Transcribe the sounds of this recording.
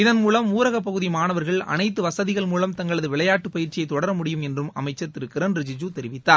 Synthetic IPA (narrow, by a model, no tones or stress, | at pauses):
ɪðɐnmuːlɐmuːɾɐɣɐp̬ːɐɣɯðimaːnɐʋɐɾɣɐɭɐ̰nɐɪt̪̬ːɯʋɐsɐðɪɣɐɭmuːlɐmt̪ɐŋɡɐɭɐðɯʋɪɭɐjaːʈːɯpɐjɪɾt͡ʃɪjɐɪt̪ːɔɽɐɾɐmʊɽɪjɯmɛndrɯmɐ̰mɐɪt͡ʃːɐt̪ːɪɾɯkːɪɾɐnɾɪd͡ʒɪd͡ʒut̪ɛɾɪʋɪt̪ːaː